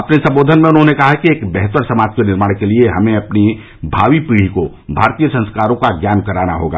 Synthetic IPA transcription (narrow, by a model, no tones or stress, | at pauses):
ɐpnesɐ̃mboːd̪ʱənmẽʊnɦõnekɐɦakieːkbɛɦt̪əɾsɐmaːd͡ʒkenɪɾmaːɽkelieɦɐmẽɐpni | bʱa̰ːʋipiːɽ̤iko | bʱa̰ːɾt̪ijəsɐ̃nskaːɾõkaɡjaːnkɐɾaːnaɦo̰ːɡa̰ː